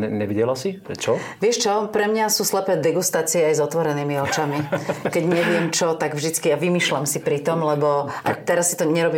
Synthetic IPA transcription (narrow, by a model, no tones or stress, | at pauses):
ɛɲɛʋiɟɛlasipɾɛt͡ʃɔ | ʋɪɛʃt͡ʃɔpɾɛmɲasuːslɛpɛːd̪ɛɡust̪aːt͡siɛajzɔt̪ʋɔɾɛniːmiɔt͡ʃamikɛɟɲɛʋɪɛmt͡ʃɔt̪aɡvʒd̪it͡skiaʋimiːʃlamsipɾit̪ɔmlɛbɔʔa̰t̪ɛɾasːi̥t̪ɔɲɛɾɔbiː